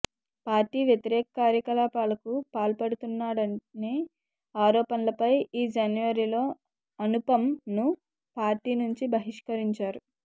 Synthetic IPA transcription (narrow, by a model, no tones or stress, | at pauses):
paːɾʈiːʋjɐt̪iɾɛːkɐkaːɾjɐkɐlaːpaːlɐkupaːlpɐɽut̪unːaːɽɐne | aːɾɔːpɐnlɐpɐjiːd͡ʒanjʋɐɾiːlo̞ː | ɐnupɐmnu | paːɾʈiːnuɲt͡ʃibʱɐɦiʂkɐɾiɲt͡ʃaːɾu